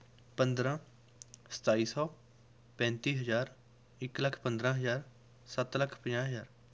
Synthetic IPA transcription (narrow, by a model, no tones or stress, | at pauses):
pə̃nd̪ɾãː | sə̥t̪aːiːsɔː | pɛ̃ːnt̪iːɦəzaːɾ | ɪkləkʰpə̃nd̪ɾãːɦəzaːɾ | sət̪ləkʰpə̃d͡ʒãːɦəzaːɾ